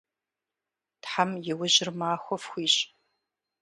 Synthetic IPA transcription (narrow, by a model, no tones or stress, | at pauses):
tħamjɪwʊʑɪrmaːxʷɔfxʷiːɕʼ